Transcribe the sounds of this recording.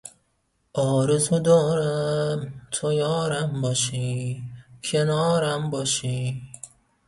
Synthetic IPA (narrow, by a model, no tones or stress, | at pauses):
ʔɒːɾezud̪ɒːɾæmt̪ʰojɒːɾæmbɒʃi | kʰenɒːɾæmbɒːʃi